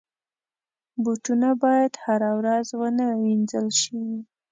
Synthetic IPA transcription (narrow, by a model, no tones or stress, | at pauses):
buʈunabɑjad̪haɾawɾazwənawind͡zəlʃiwi